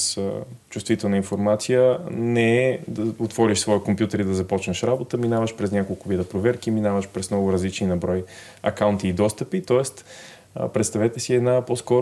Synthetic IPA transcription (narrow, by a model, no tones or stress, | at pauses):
st͡ʃust̪vit̪ɛlˠnəinfoɾmat̪sijənɛɛd̪əot̪vɔɾiʃsvɔjikompʲjut̪əɾid̪ɐzɐpɔt͡ʃnəʃɾabot̪əminavəʃpɾɛsnʲakolˠkʊbid̪əpɾovɛɾk̟iminavəʃpɾɛsmnɔɡʊɾɐzlit͡ʃninɐbɾɔj | ɐkaʊnt̪iːd̪ɔst̪əpit̪ɔɛst̪ | pɾɛt̪st̪ɐvɛt̪ɛsiɛd̪naposkɔɾ